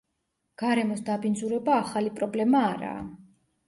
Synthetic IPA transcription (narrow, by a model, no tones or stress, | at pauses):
ɡ̥aɾɛmɔsd̪abind̪zuɾɛbaːχalipʼɾɔblɛmaːɾa̰ː